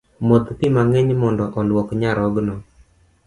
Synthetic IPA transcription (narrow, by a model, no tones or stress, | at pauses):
mot̪pɪmaŋɛɲmɔndɔʔɔlwɔkɲaɾɔɡnɔ